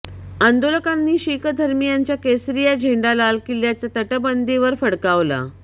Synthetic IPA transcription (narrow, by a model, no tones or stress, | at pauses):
ənd̪oləkanːiːɕikəd̪ʱəɾmijaɲt͡ɕjakesɾijad͡ʑʱeɳɖalalkiljat͡sat̪əʈəbənd̪iʋəɾfəɽkaʋla̰